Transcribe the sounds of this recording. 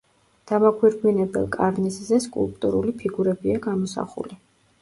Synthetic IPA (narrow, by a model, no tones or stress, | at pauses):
d̪̥amakʰwiɾɡwinɛbɛ̰lˠkʼaɾniszɛskʼṵlˠpʼt̪ʼṵɾulipʰiɡuɾɛbiaɡamɔsa̰χṵli